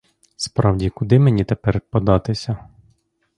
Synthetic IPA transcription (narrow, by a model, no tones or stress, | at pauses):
spɾɑwdʲikʊd̪ɪmenʲit̪epɛrpɔd̪ɑt̪ɪsʲɐ